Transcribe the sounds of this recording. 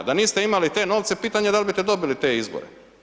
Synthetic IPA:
d̪aniːst̪eimalit̪e̞ːno̞ːʋt̪sepiːt̪aɲed̪albit̪ed̪o̞bilit̪e̞ːizbo̰ɾḛ

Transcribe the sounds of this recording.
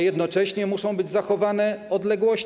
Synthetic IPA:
jɛd̪nɔt͡ʂɛɕɲɛmuʂɔ̃w̃bɘd͡ʑzaxɔvanɛɔd̪lɛɡwɔɕ

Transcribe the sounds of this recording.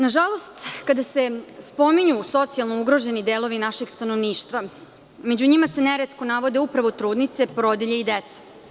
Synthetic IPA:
naʒalˠo̞st̪kad̪ase̞spo̞miɲuso̞t̪sialˠnouɡɾo̞ʒe̞nid̪eːlo̞ʋinaʃeɡst̪anoʋniːʃt̪ʋa | med͡ʑuɲimase̞neɾet̪ko̞naʋo̞d̪e̞upɾaʋo̞t̪ɾuːd̪nit̪se̞pɾo̞d̪eʎeid̪et̪se̥

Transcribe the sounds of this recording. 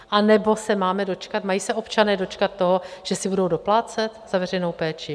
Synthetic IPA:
ʔanɛbo̞sɛmaːmɛdo̞t͡ʃkat̪majiːsɛʔo̞pt͡ʃanɛːdo̞t͡ʃkat̪̚ːo̞ɦoʒ̥ɛsɪbudo̞wdo̞plaːt͡sɛt̪z̥avɛrɛjno̞wpɛːt͡ʃɪ

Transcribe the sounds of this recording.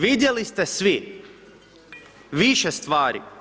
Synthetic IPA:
vid̪ʲɛlˠist̪ɐsvi | viʃɐst̪vaːɾḭ

